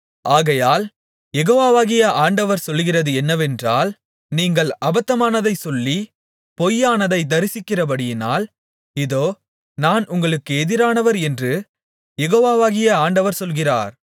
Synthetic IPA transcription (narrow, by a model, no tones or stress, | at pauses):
ʔaːɣɐjaːl | jɛɣoːʋaːʋaːɣɪjɐʔaːɳɖɐʋɐɾsɔlɣɪrɐðɯɛnːɐʋɛndraːl | niːŋɡɐɭɐbɐt̪ːɐmaːnɐðɐɪsɔlːi | pɔjːaːnɐðɐɪd̪ɐɾɪsɪkːɪrɐbɐɽɪjɪna̰ːl | ɪðoː | naːnʊŋɡɐɭɯkːɯɛðɪɾaːnɐʋɐɾɛndrɯ | jɛɣoːʋaːʋaːɣɪjɐaːɳɖɐʋɐɾsɔlɣɪra̰ːɾ